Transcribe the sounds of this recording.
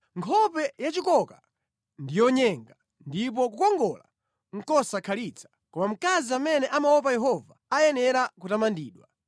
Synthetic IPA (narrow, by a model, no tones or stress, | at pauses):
ŋkʰɔpɛjat͡ʃikɔka | ndijɔɲɛŋɡa | ndip̬ɔkukɔŋɡɔla̰ | ŋ̩kɔsakʰalit͡sʰḁ | kɔmam̩kaziamɛnɛʔamawɔp̬ajɛɦɔvaajɛnɛɾakutamandiːɗwa